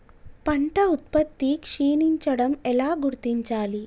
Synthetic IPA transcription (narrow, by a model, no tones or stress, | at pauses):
pɐɳʈɐut̪̚pɐt̪ːikʂiːniɲt͡ʃɐɽɐmɛlaːɡuɾt̪iɲt͡ʃaːli